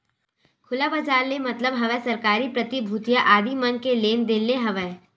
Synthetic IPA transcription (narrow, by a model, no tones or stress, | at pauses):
kʰʊlabɐd͡ʒaːɾlemɐt̪ləbɦɐʋɛsɐɾkaːɾipɾɐt̪ibʱuːt̪jaʔaːd̪imɐnkeleːnd̪elːeɦɐʋɛ